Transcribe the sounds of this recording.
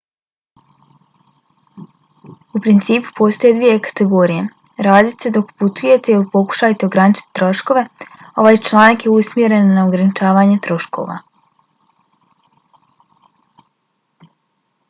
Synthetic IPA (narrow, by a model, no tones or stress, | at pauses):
upɾint̪siːpu̥pʰo̞ːst̪o̞jed̪ʋije̞kḁt̪e̞ɡo̞ːɾije̞ | ɾaːd̪it̪sed̪o̞kput̪uje̞t̪e̞ilipo̞ku̥ʃajt̪eoɡɾanit͡ʃi̥t̪ːɾo̞ʃko̞ʋe̞ | o̞ʋaːjt͡ʃlˠaːnakje̞usmje̞ɾe̞nːaoɡɾanit͡ʃaːʋaːɲe̞t̪ɾo̞ʃko̞̰ʋa̰